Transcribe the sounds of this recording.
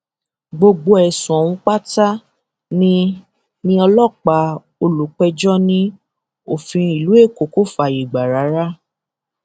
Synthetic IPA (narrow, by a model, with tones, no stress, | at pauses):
ɡ͡bo˧ɡ͡bo˧˦ɛ˨sũ˨ɔ˨w̃ũ˧k͡pa˦ta˦ | nĩ˦ | nĩ˧ɔ˧lɔ˦˨k͡pa˨˧ | o˧lu˨k͡pɛ˧d͡ʒɔ˦nĩ˦ | o˨fĩ˧i˨lu˨˦e˦˨ko˨ko˦fa˨i˨ɡ͡ba˨ɾa˨˦ɾa˦